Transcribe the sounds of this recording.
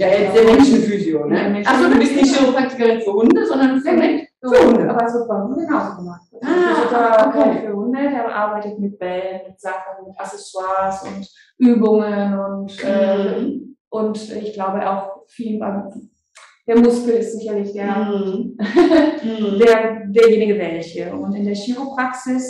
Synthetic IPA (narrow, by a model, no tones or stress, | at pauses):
jaːɛd̥eːɐmɛnʃn̩fyzjondmɛnasz̥oːdubɪstnɪçeopʁ̥ak̚tɪ̥kɐʁɪnfuhʊndəzɔndɐnɪsmɛntː | ohʊndəʔaːbɐdasv̥ɪt̚b̥ahnɡənaʊzoɡəmaχt̚aatʰaokʰefːɐhʊndədeːɐbəʔa̰ːɐbaɪtətmɪt̚b̥ɛlnmɪtz̥aχn̩mɪtʔasɛswaɐsʊ̰nt | ʔyːbʊŋənʊntʔɛ | ʔʊntɪçɡ̥laʊbəʔa̰ʊxfiːləna̰ | d̥eːɐmʊskl̩ɪstz̥ɪçɐlɪçd̥eːɐ | d̥eːɐdeːɐjeːnɪɡəvɛlçəʔʊntɪndeːɐʃiːʁopʁ̥aksɪs